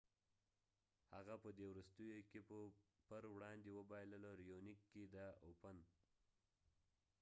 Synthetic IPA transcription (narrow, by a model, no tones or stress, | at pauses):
haɣapəd̪ewɾust̪əjokepəpəɾwɽɑnd̪ewəbɑjləloɾijonikːed̪əopən